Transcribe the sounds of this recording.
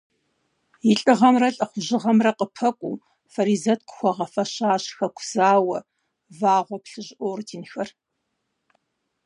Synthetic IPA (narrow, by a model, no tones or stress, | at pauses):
jɪɬʼɨʁɐmrɐɬʼɐχʷʊʑɪʁɐmrɐqʼəpʰɐkʷʼṵː | fɐɾiːzɐtkʷʰʼʊ̥xʷɔʁɐfɐɕaːɕxɐkʷʰʊz̥aːwɐ | vaːʁʷɔpɬɨʑʔoːrtʰiːnxɐr